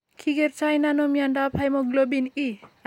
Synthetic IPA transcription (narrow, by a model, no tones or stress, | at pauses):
kʰiɡeɾt͡ʃajnanɔmijandapʰajmɔɡlobini